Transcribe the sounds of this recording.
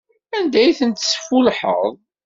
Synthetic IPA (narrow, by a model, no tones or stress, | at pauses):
ænd̪æjθənt̪sfulħə̰ðˤ